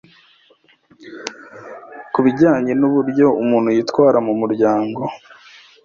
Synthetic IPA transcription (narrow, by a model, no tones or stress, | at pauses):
kuβiɟaːɲe̞nuβuɾɟo̞umuːnhujiːtwaːɾamumuɾɟaːŋɡo̞